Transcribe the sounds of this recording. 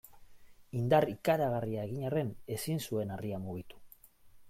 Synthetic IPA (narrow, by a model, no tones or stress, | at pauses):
ind̪arikaɾaɣariae̞ɣiɲare̞ne̞sinsue̞nariamuɣit̪u̥